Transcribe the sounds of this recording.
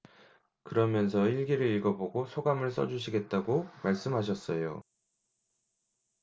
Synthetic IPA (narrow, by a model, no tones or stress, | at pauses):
kɯɾʌmjʌns̬ʰʌiɭɡiɾɯɭiɡʌboɡosʰoɡamɯɭs͈ʌd͡ʑuɕʰiɡe̞t̚t͈aɡomaɭs͈ɯmɦaɕ̬ʰʌs͈ʌjo̰